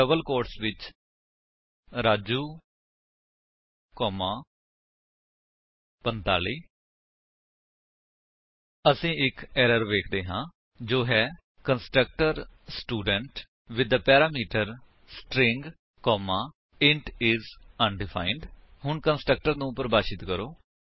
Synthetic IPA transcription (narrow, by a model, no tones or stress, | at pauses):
əbəlkoːɾʈsʋɪt͡ʃ | ɾaːd͡ʒuː | kɔːmãː | pənt̪a̰ːliː | əsĩːɪkɛːɾəɾʋeːkʰd̪eːɦãː | d͡ʒoːɦɛː | kənsʈɾək̚ʈəɾsʈuːɖəɳʈ | ʋɪd̪əpɛːɾaːmiːʈəɾ | sʈɾɪ̃ŋɡ | kɔːmaː | ɪ̃ɳʈɪzənɖɪpʰa̰ːɪɳɖɦʊɳkənsʈɾək̚ʈəɾnũːpəɾbaːʃɪt̪kəɾoː